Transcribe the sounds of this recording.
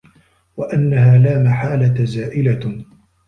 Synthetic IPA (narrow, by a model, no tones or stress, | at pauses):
waʔanːaɦaːlaːmaħaːlat̪azaːʔɪla